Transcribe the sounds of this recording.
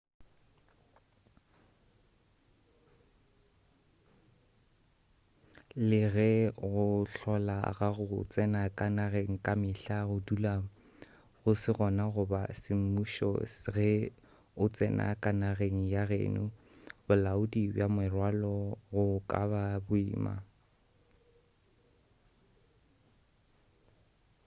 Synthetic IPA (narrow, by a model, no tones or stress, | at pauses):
lɪɣɛɣʊɬɔla̰ɣaɣʊt͡sʼɛnakʼanaɣeŋ̩kʼamɪɬaɣʊdulaːŋ̩ | ɣʊsɪɣɔnaɣʊba̰sɪm̩muʃɔ̰sɣɛ | ʊt͡sʼɛnʔa̰kʼanaɣeŋ̩jaɣḛːnʊ | bʊlaʊdibjamɛrwalɔɣʊkʼa̰babʊḭːma̰